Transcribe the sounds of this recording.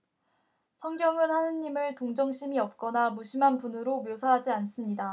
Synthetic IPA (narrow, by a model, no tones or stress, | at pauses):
sʰʌŋɡjʌŋɯnhanɯnːimɯɭtoŋd͡ʑʌŋɕʰimiʌp̚k͈ʌnamuɕʰimɦanpunɯɾomjosʰaɦad͡ʑians͈ɯmɲida